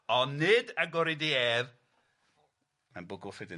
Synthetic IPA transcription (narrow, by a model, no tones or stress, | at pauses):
ɔnɪdaɡɔɾidieːv | manbʊɡʊlˠfɪdə